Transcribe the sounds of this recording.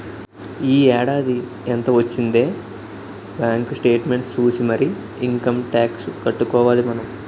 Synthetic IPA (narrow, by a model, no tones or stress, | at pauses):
iːɛːɽaːd̪i | ent̪ɐʋɐt͡ʃːind̪e̞ː | baːŋksʈe̞ːʈme̞ɳʈt͡ʃuːsimɐɾi | iŋkɐmʈaːksukɐʈːukɔːʋaːlimɐnɐm